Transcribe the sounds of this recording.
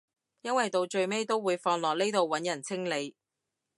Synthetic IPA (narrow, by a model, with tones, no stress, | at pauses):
jɐ˥nwɐ˨jt̪o˨˧wt͡ʃɵ˧ɥme˥jt̪o˥wwuː˨˧jfɔː˧ŋlɔː˨˩k̚ne˥jt̪o˨wːɐ˨˥njɐ˨˩nt͡sʰɪ˥ŋle˨˧j